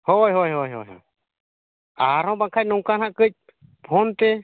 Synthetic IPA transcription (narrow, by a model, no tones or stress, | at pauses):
hɔjɦojɦojɦojɦɔ̰ | aɾɔ̃baŋkʰac̚nɔŋkanɦaʔkəc̚ | pʰɔnt̪ɛ